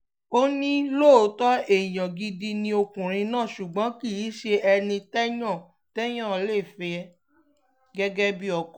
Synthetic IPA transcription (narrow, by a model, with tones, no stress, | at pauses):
o˦nĩ˦lo˦˨˦tɔ˦e˨j̃ã˨ɡi˧di˧nĩ˧o˧kũ˨ɾ̃ĩ˧nãː˦˨ʃu˨ɡ͡bɔ̃˨˦ki˦˨ji˨˦ʃe˧ɛ˧nĩ˧tɛ˦jã˦˨ | tɛ˦j̃ã˦˨˦le˦˨fe˧ɛ˧ | ɡɛ˦ɡɛ˦bi˦ɔ˨k